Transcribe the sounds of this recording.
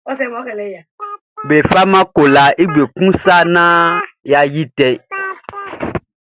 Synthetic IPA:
ɔ˦sɛ̃˦˨mɔ˦kɛ˨lɛ˦a˨ | be˨fa˦mã˦ko˨la˨ʔe˦ɡ͡be˨kũ˦sa˦nã˦ja˨ji˦t̪ɛ˦

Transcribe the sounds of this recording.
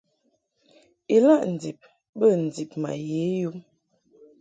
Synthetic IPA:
i˨la˦˨ʔn̩˨d͡zi˨p̚ | bə˦˨n̩˨d͡zi˨p̚ma̰˨je˨˦ju˦m

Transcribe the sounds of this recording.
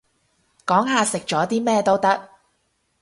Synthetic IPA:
kɔː˨˥ŋɦaː˨sɪ˨k̚t͡ʃɔː˨˥t̪iː˥mɛː˥˧t̪o˥wt̪ɐ˥k̚

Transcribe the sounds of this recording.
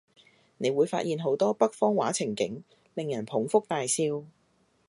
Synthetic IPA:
ne˨˧jwuː˨˧jfa̰ː˧t̚jiː˨nɦo˨˥wt̪ɔː˥pɐ˥k̚fɔː˥ŋwa̰ː˨˥t͡sʰɪ˨˩ŋkɪ̰˨˥ŋ | lɪ˨ŋjɐ˨˩npʰʊ˨˥ŋfʊ˥k̚t̪aː˨jsiː˧w

